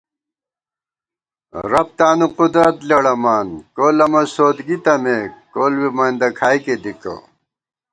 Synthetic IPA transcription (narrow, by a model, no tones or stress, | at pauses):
ɾɐp̚t̪aːnuqud̪ɾɐt̪leɽɐmaːnkoːlɐmɐsoːd̪ɡit̪ɐmekoːlwimaĩnd̪ɐkʰaːjked̪iko̰